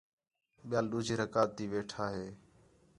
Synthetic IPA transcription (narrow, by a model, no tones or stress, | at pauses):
ɓɪjaːlɗuːd͡ʒʱiːɾəkaːt̪ːiːʋeːʈʰaːɦeː